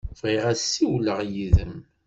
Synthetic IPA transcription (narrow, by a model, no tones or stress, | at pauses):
fʁiʁæsːiwləʁjiðəm